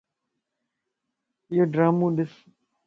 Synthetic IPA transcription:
joɖɾaːmũːɗ̪ɪs

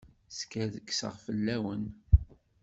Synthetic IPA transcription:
skæðəkːsə̰ʁfəlːæwən

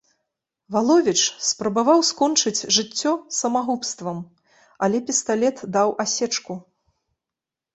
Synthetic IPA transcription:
valˠɔvʲit͡ʂspɾɐbavawskɔnt͡ʂɨt͡sʲʐɨt͡sʲːɔsɐmaɣupst̪vɐm | ɐlʲɛpʲist̪alʲɛt̪d̪awʔasʲɛt͡ʂku

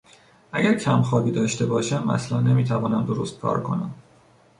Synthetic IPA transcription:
ʔæɟæɾcʰæmxɒːbiːd̪ɒːʃt̪e̞bɒːʃæmæ̰slænːe̞miːt̪ʰævɒːnæmd̪oɾost̪̚kʰɒ̰ːɾkʰo̞̰næ̰m

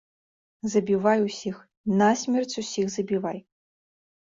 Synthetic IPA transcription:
zɐbʲivajusʲix | nasʲmʲɛrt͡sʲusʲixzɐbʲivaj

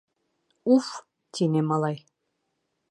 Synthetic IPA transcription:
uf | t̪ʲinʲemɑlˠɑj

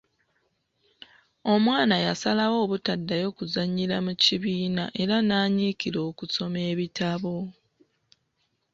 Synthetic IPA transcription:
o̞mwaːnajasalawo̞ːβutadːajo̞kuzaɲːiɾamuciβiːna̰ʔe̞ɾanaːɲiːkiɾo̞ːkuso̞me̞ːβitaβo̞

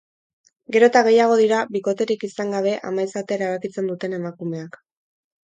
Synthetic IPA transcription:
ɡe̞ɾo̞t̪aɣe̞jaɣ̞o̞ðiɾaβiko̞t̪e̞ɾikisaŋɡaβ̞e̞ʔa̰majsat̪e̞eɾaβ̞akit͡se̞nd̪ut̪e̞ne̞makume̞ak

